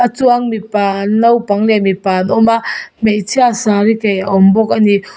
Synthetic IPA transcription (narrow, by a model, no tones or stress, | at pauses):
ɐtuaŋmipanːɐwpaŋlemipanɔmametʰiasaɾikajaɔmbɔk̚ɐni